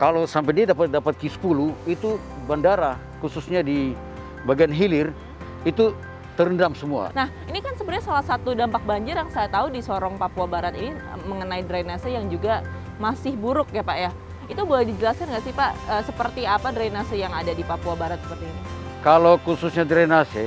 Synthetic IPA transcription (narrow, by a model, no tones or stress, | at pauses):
kalosampadiadapat̪̚dapat̪̚kisə̥puluit̪u | bandaɾa | kususɲadi | baɡianɦilɪr | it̪u | t̪əɾəndamsəmua̰nah | inikansəbərɲasalahsat̪udampak̚baɲd͡ʒɪrjaŋsajat̪audisɔɾɔŋpapuabaɾat̪iniməŋənaidɾanasəjaŋd͡ʒuɡa | masɪhbuɾʊk̚japaʔja | it̪ubalɛdid͡ʒəlaskanɡaʔsipaʔəːsəpərt̪iapadɾainasəjaŋadadipapuabaɾat̪sə̥pərt̪inikalokususɲadɾanase